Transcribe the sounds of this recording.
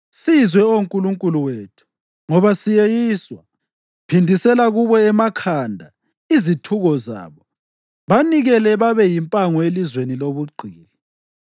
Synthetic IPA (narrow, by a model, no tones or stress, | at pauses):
sizwɛouŋkʼuluŋkʼuluweːtʰu̥ | ŋɔβasijejiːswa | pʰindʱisɛlaɣuβɔɛmakʰandʱa | izitʰuɣɔza̰ːβɔ | βaniɣɛlɛβaβɛjimpʼaŋɔelizweniloβuɡ͡ǀʱiːlɛ